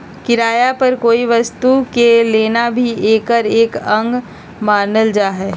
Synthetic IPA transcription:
kɪɾaːjapɐɾkoːiʋɐst̪ukeleːnabʱiʔeːkəɾeːkɐ̃ŋɡ | maːnəld͡ʒaːɦɛː

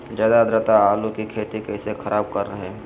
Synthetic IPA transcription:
d͡ʒjaːd̪ad̪ɾət̪aaːlukikʰeːt̪ikɛːsexʰɐɾaːb̚kɐɾːɐɦeɦɛ̃

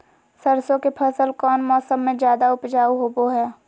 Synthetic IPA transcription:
səɾsõkepʰɐsəlkɔːnmɔːsəmːẽd͡ʒjaːd̪aʊpd͡ʒaːuɦoːboɦɛː

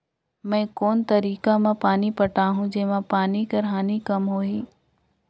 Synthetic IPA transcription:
mɛ̃ːkoːnt̪ɐɾiːkamãpaːnipɐʈaːɦũd͡ʑeːʋãpaːnikɐɾɦaːnikɐmɦoːɦiː

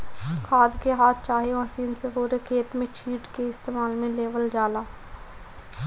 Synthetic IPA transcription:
kʰaːd̪keɦaːt̪̚ʰt͡ʃaːɦeʋaːsiːnseboːɾekʰeːt̪mẽt͡ʃʰiːʈkeɪst̪eːmaːlmẽleːʋəld͡ʒaːlaː

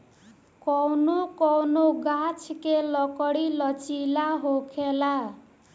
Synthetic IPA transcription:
kɔwnokɔwnoɡat͡sʰkelʌkʌɽilʌt͡silaɦokʰela

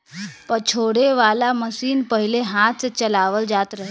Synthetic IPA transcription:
pət͡ʃʰoɽeʋalaməsiːnpəɦileɦãt̪t͡set͡ɕəlaʋəld͡zat̪ɾəɦe

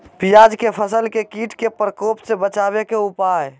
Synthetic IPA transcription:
pijad͡ʒkepʰəsəlkekiʈkepɾəkopsẽbət͡ʃabekeupaj

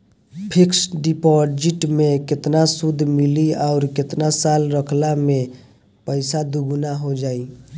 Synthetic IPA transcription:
pʰiksɖipɔd͡ʒiʈmekɪt̪nasud̪ʱmiliaʊɾkɪt̪nasalɾəkʰlame | pəɪsad̪uɡnaɦod͡ʒaːi

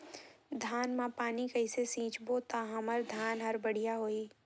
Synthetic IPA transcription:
d̪ʱaːnmãpaːnikɐɪsesĩːt͡ʃboːt̪aɦɐ̃mɐɾd̪ʱaːnɦɐɾbɐɽ̤ijaɦoːiː

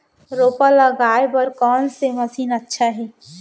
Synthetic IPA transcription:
ɾoːpaləɡaːebəɾkɔːnseməsiːnətːʃʰaɦɛː

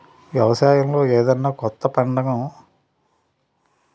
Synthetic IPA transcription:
ʋjɛʋɐsaːjɐmlo̞ːeːd̪ɐnːaːkɔt̪ːɐpɐɳɖɐɡɐm

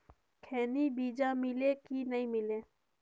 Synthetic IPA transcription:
kʰɛːnibiːd͡ʒamɪlekinɐɦĩmɪleː

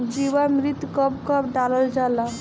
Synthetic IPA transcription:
d͡ʑiwamɾit̪kɔbkɔbɖalold͡ʑala

